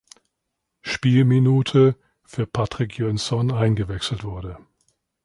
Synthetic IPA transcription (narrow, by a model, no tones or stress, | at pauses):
ʃpiːlminuːtʰə | fyːɐpʰatʁ̥ɪkʰjœnsɔnaɪnɡəvɛksl̩tv̥ʊɐdə